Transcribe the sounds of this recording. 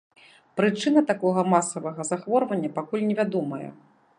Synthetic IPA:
pɾɨt͡ʂɨn̪ɐt̪akɔɣɐmasɐvɐɣɐzaxvɔrvɐnʲːɐpakulʲnʲɛvʲad̪ɔmɐjɛ̰

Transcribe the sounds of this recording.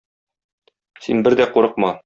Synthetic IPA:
sinbɘɾd̪æquɾɤ̆q̚mɑ

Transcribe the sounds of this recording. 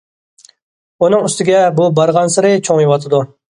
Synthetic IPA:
unɨŋyst̪ɪɡʲɛbubɑɾʁɑnsɨɾɨt͡ʃʰoŋjewɑt̪ʰɨd̪u

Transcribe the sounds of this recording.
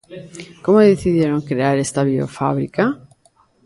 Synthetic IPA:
ko̞moðeθiðje̞ɾo̞ŋkɾe̞aɾe̞st̪aβio̰fa̰βɾḭka

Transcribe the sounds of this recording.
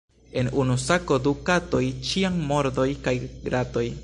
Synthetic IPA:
e̞nunusako̞dukato̞jt͡ʃiaŋmo̞ɾd̪o̞jkajɡɾato̞j

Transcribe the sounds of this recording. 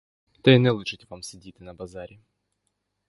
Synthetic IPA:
t̪ɛɪnɛlˠuʂɨtʲvamsʲɪdʲit̪ɨnɐbɐzaɾʲɪ

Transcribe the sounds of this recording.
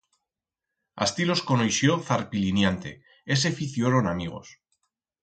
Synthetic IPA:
a̰st̪ilo̞skonojʃjoθaɾpilinjant̪e̞̰ | ese̞fiθjoɾonamiɣ̞o̞̰s

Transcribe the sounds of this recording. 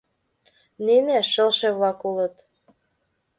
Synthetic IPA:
nineʃəlʃeβlɑkulət̪

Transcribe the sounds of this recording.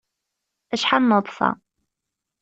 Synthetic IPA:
æʃħanːəðˤfɑ̰

